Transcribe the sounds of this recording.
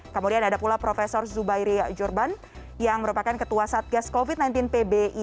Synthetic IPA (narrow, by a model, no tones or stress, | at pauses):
kəmudianadapulapɾofesɔrzubajɾiad͡ʒurban | jaŋməɾupakankət̪uasaat̪̚ɡaskovit̪najnt̪̬ɪnpebeʔi